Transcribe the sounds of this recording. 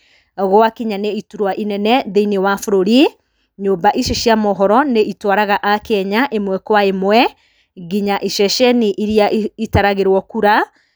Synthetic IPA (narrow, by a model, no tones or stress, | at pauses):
ɣoakiɲaneituɾwaʔinɛnɛðeinewafoɾoɾi | ɲoːmbaʔiʃeʃiamɔɦɔɾɔneʔitwaɾaɣaʔakɛɲaʔemwɛkwaemwɛ | ɣiɲaʔiʃɛʃɛniʔiɾiaitaɾaɣeɾwɔkuɾa